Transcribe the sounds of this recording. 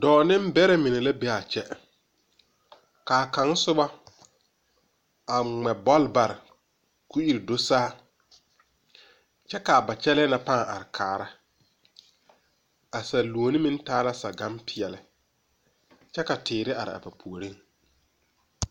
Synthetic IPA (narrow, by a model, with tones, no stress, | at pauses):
dɔː˨nɪ̃˦m˦bɛ˦ɾɛ˦mɪ˨nɛ˨la˦be˦a˨t͡ʃɛ˦ | kaː˨kã˨˦ŋ˦sʊ˦ba˦ | a˨ŋ͡mɛ˨bɔ˦lba˨ɾɪ˨ | ku˦i˨ɾdo˦saː˦ | t͡ʃɛ˦ka˨ba˨t͡ʃɛ˦lɛ˦na˨pa˦˨ŋ˨ʔa̰˨ɾɪ˨kʰaː˨ɾa˦ | a˨sa˨lu˨o˨nɪ˦mɪ̃˦n˦taː˦la˦sa˨ɡa˦mpʰɪ˨ɛ˨lɪ˦ | t͡ʃɛ˦ka˨tɪː˨ɾɪ˦a˨ɾɪ̰˨a̰˨pa˨pʰu˨o˨ɾe˦ŋ